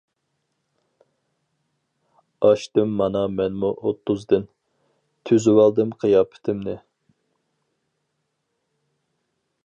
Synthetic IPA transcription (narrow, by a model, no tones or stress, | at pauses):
ɑʃt̪ɪmːɑnɑmɛnmuʔot̪ʰːʊzd̪ɨn | t̪ʰyzwɑlˠd̪ɨmqʰijɑːpʰɪ̥t̪ʰɪmnɪ